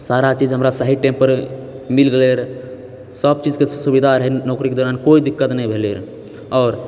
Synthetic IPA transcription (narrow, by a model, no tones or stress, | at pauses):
saɾat͡ʃid͡ʒɦəmɾasaɦiʈẽmpəɾ | milɡeleɾ | səb̚t͡ʃid͡ʒkesubid̪ʱaɾɦɛnɔkɾiked̪oɾankoid̪ikːət̪nəjbʱeleɾ | ɔːɾ